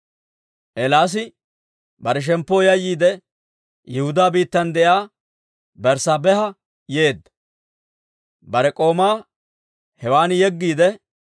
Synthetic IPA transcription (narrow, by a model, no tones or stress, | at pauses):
ʔɛlaːs̬ɪ | bɐɾɛʃ̬ɛmpːoːjɐjːiːd̪ɛ | jɛhʊd̪aːbiːt̪ːɐnd̪ɛʔjaː | bɛɾsaːbɛhɐ | je̞ːd̪ːɐ | bɐɾɛkʼo̞ːmaː | hɛwaːnjɛɡːiːd̪ɛ